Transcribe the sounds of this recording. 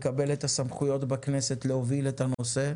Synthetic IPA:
kabe̞let̪asamχujo̞t̪bakne̞se̞t̪leo̞vilet̪anose̞

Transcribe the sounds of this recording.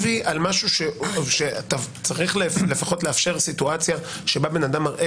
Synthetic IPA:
vialmaʃuʃeʃeat̪at͡saʁiχlle̞faχo̞tleafʃe̞ʁsituat͡sjaʃe̞babe̞nadamaʁʔe

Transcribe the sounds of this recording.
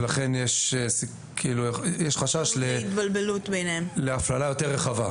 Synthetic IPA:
laχenjeʃs | kʰiiːlujɛʃχaʃaʃlet̪balbelut̪bejnemleaflalajo̞teʁːeχava

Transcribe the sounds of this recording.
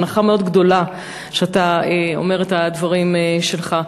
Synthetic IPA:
naχameo̞d̪ɡd̪o̞la | ʃeataeo̰me̞ʁetad̪vaʁimʃe̞lχa

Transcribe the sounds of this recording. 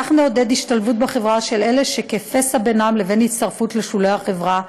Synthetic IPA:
aχneod̪e̞d̪iʃtalvut̚beχe̞vʁaʃe̞le̞leʃekefesabenamle̞ve̞nhitst̪aʁfutleʃulejaχevʁa

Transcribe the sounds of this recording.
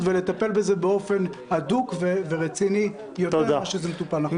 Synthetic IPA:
t̪vele̞t̪ape̞lbe̞zebeo̞fe̞nad̪ukveveʁet͡sini | jot̪eaʃezemet̪upalna

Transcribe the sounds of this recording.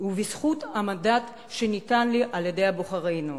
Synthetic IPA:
uvisχut̪amadat̪ | ʃenit̪anliʔaljed̪e̞jaboχaʁejnu

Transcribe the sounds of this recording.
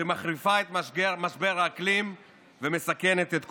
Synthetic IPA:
emaχʁifaet̪maʃɡemaʃbeʁaklim | vemesake̞net̪et̪k

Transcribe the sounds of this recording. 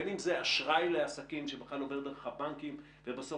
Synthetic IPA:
nimzeaʃʁajleasakimʃebexlalove̞ʁdeʁaχavbaŋkim | vebaso

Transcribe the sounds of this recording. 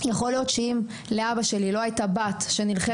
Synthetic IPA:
jaχo̞ljo̞t̪ʃeim | leabaʃe̞lilo̞ajtabatʃe̞nilχe

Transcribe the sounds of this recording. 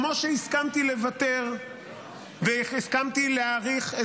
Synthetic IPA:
moʃeiskamt̪ilevat̪eʁ | veiskamt̪ileaʁiχe

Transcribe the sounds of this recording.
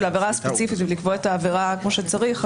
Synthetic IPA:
laveʁaspet͡sifitvelikvo̞etaːveʁakmo̞ʃet͡saʁiχ

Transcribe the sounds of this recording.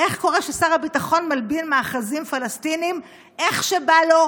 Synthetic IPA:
ʔe̞χkoʁeʃesaʁabitaχo̞nmalbinmaːχazimfalastinim | ʔe̞χʃebalo̞

